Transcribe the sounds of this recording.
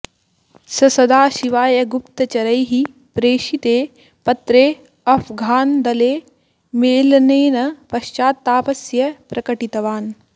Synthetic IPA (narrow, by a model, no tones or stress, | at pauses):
sɐsɐd̪aːʃiʋaːjɐɡupt̪ɐt͡ʃɐɾɐjɦi | pɾeːʃit̪eː | pɐt̪ɾeː | ɐfɡʱaːnd̪ɐleː | meːlneːnɐpɐʃt͡ʃaːt̪ːaːpɐsjɐpɾɐkɐʈit̪ɐʋaːn